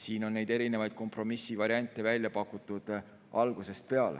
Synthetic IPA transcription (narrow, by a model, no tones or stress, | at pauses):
siːno̞nːe̞jd̪e̞ɾine̞vɑjd̪̥̚ko̞mpro̞misːivɑɾiɑnʲt̪ːˑe̞vælʲjɑpɑkːˑut̪ːˑud̪̥ | ʔɑlɡ̥use̞st̪̚pe̞ɑlḛ